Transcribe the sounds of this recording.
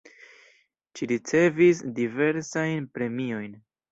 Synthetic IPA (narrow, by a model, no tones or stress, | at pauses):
ʃiɾit͡se̞visdive̞ɾsajnpɾe̞mio̞jn